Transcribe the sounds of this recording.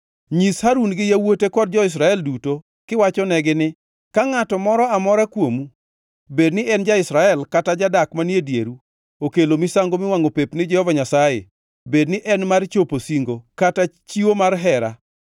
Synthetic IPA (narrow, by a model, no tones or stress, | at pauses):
ɲishaɾunɡɪjawotekɔd̚d͡ʒɔɪs̬ɾaɛlduto | kɪwat͡ʃɔnɛɡɪnɪ | kaŋatɔmɔɾɔamɔɾakwomu | bednɪʔɛnd͡ʒaɪsɾaɛlkatad͡ʒadakmanjedjeɾu | okelomɪsaŋɡomɪwaŋopepnɪd͡ʒɛhɔvaɲasajḛ | bednɪʔɛnmart͡ʃoposiŋɡokatat͡ʃiwomarɦɛɾa̰